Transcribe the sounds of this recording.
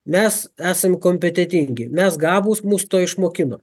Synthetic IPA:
mʲɛsæːsɐmkoːmʲpʲɛt̪ʲɛt̪ʲɪŋʲɡʲɪmʲɛsɡɑːbuːsmuːsʊt̪oːɪʃmoːkʲɪno

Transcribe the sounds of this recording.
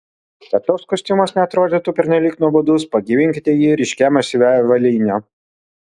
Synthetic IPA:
t̪ʲɛt̪oːskʊsʲt̪ʲɪmosnʲɛɐt̪ɾoːd̪ʲeːt̪uːpʲɛɾʲnʲɛlʲiːknuɔbod̪ʊspɐɡʲiʋʲɪŋʲkʲɪt̪ʲɛjiːɾʲɪʃʲkʲæmɐsʲɪʋʲæʋɐlʲiːnʲɛ

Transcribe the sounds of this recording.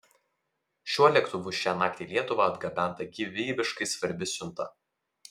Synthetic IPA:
ʃʲuɔlʲɛkt̪ʊʋʊʃʲæːnɑːkt̪ʲeːlʲiɛt̪ʊʋɐɐd̪ɡɐbʲæˑnˑt̪ɐɡʲiʋʲeːbʲɪʃkɐɪsʋɐɾʲbʲɪsʲʊnt̪ɐ

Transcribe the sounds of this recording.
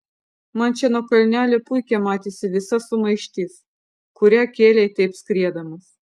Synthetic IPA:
mɐnt͡ʃʲɛnuɔkɐlʲnʲæːlʲepʊjkʲɛmɑːt̪ʲesʲɪʋʲɪsɐsʊmɐɪʃʲt̪ʲiːs | kʊɾʲæːkʲeːlʲɛjt̪ʲɛɪpsʲkɾʲiɛd̪ɐmɐs

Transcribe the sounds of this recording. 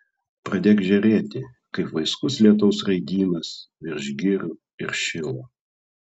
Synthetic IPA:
pɾɐd̪ʲeːkʒʲɛɾʲeːt̪ʲɪ | kɐɪpʋɐɪskʊslʲiɛt̪̬ɐʊsɾɐɪd̪ʲiːnɐsʋʲɪɾʲʒʲɡʲɪɾʲʊ | ɪɾʃʲɪlˠo

